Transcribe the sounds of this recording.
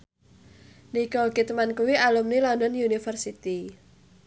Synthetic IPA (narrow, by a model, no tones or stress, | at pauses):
nikɔɡit̪mankuwialumnilɔndɔnjunifərsit̪i